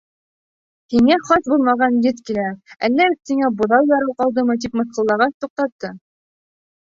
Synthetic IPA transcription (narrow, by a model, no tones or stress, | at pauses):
hiŋæχɑsbulˠmɑʁɑnjɘt̪kilæælːæɵ̆st̪ɘ̆ŋæbŏðɑwjɑɾɤwqɑlˠd̪ɤmɤt̪̬ipmɤ̆θqɤ̆lˠːɑʁɑst̪uq̚t̪ɑt̪ːɤ